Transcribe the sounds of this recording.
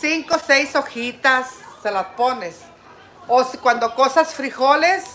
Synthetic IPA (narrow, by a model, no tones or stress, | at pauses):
siŋkosejsoxit̪asːelaspones | oskwand̪okosasfɾixoles